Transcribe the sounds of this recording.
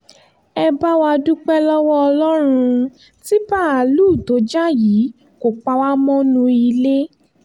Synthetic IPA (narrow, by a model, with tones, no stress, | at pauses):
ɛ˧ba˦wa˧du˦k͡pɛ˦lɔ˦wɔ˦ɔ˧lɔ˦ɾ̃ũ˧ | ti˦ba˦˨a˨luː˦˨to˨˦d͡ʒa˦jiː˨˦ | ko˨k͡pa˧wa˦mɔ̃˦nũ˧i˧le˦